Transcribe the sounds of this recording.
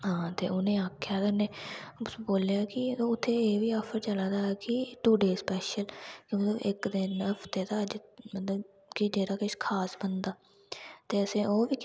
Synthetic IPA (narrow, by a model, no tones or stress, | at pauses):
ɦãːt̪ḛːʊnẽːaːkʰjaːk̪ənẽː | boːljaːkɪoːʊt̪ʰːeːeːʋiːaːpʰəɾt͡ʃəlaːd̪aːɛːkɪʈuːɖeːspɛːʃəlkĩːmət̪ləbɪkd̪ɪnɦəpʰt̪eːt̪aːəd͡ʒmət̪ləb | kɪd͡ʒeːɾaːkɪʃkʰaːsbənd̪aː | t̪eːəsẽːʔoːʋiː